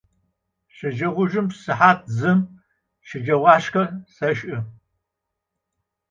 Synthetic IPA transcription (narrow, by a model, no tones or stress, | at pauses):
ɕɐʒɐʁʷʊʒɨmpsɨħaːt̚ʰzɨm | ʃɪd͡ʒɐwɑːʃkɐsɐʃʼʔɨ